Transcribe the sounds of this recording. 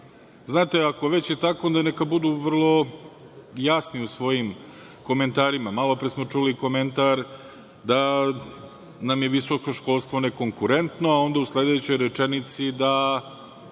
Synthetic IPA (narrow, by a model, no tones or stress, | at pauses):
znaːt̪eako̞ʋet͡ɕjet̪akoond̪anekabud̪uːʋr̩lˠo̞ | jasniusʋo̞jim | ko̞me̞nt̪aːɾimamalo̞pɾesmo̞t͡ʂuliko̞me̞nt̪aɾ | d̪a | namjeʋiso̞ko̞ʃko̞lˠst̪ʋoneko̞ŋkuɾe̞nt̪noao̞nd̪auslˠed̪et͡ɕo̞jɾet͡ʃenit̪sid̪a